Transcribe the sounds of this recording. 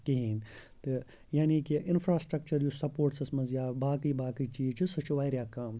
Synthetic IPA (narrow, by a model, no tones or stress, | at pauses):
kiɦiːn | t̪ɨ | jaːniːkiʔɪnfɾaːsʈɾɐk̚t͡ʃɐɾjusɐpoːɾʈsɐsmɐzjaːbaːkiːbaːkiːt͡ʃiːt͡ʃʰisɐt͡ʃʰuʋaːjɾjaːkaːm